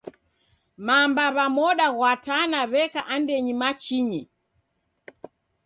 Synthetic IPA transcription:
mambaβamɔɗaɣwatanaβɛkaʔandɛɲimat͡ʃiɲi

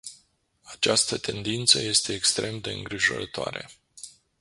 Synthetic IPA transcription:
at͡ʃast̪ət̪e̞nd̪int̪səje̞st̪e̞ːkst̪ɾʔe̞md̪e̞ɨ̰ŋɡɾiʒo̞̰ɾət̪oa̰ɾe̞̰

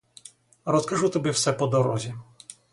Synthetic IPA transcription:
ɾɔskaʐuwt̪ɔbʲjɛfsɛpɔd̪ɔɾɔʑʲɛ

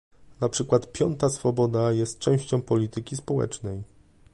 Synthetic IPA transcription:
napʂɘkwat̪pʲjɔnt̪asfɔbɔd̪ajɛst̪̚t͡ʂɛ̃w̃ɕt͡ɕɔ̃w̃pɔlʲit̪ɘkʲispɔwɛ̰t͡ʂnɛj

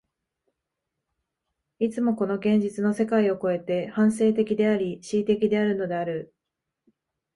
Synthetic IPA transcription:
it͡sɨmo̞ko̞no̞ɡẽ̞ɲ̟d͡ʑit͡sɨno̞se̞kaio̞ko̞e̞t̪e̞hãɰ̃s̬e̞ːt̪̬e̞kʲid̪e̞aɾʲiɕiːt̪e̞kʲid̪e̞aɾɯ̟no̞d̪e̞aɾɯ̟

